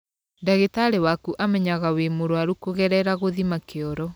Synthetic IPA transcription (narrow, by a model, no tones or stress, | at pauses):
daɣetaɾewakuʔamɛɲaɣawemoɾoaɾukoɣɛɾɛɾaɣoðimakeɔɾɔ